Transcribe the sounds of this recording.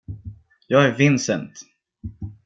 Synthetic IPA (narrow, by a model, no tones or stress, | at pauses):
jɑːɡæɾvɪnsənt̪